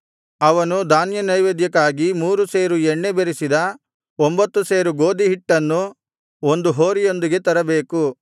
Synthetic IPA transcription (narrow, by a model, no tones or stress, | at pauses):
ɐʋɐnud̪ʱaːnjɐnɐjʋeːd̪jɐkaːɡimuːɾuseːɾuɛɳːebeɾisid̪ɐ | ombɐt̪ːuseːɾuɡo̞ːd̪iɦiʈːɐnːu | o̞nd̪uɦoːɾijo̞nd̪iɡe̞t̪ɐɾɐbe̞ːku